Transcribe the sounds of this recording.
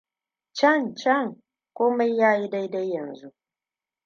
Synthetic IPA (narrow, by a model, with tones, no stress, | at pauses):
t͡ʃɐ˦˨nt͡ʃɐ˦˨ŋ | kʷoː˦ma˦jːaː˦ji˦da˦jda˦jːɐ˨nzu˦ʔ